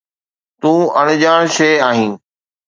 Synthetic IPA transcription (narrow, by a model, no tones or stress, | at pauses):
t̪ũːəɽ̃ʄãːɽ̃ʃeːaːɦĩː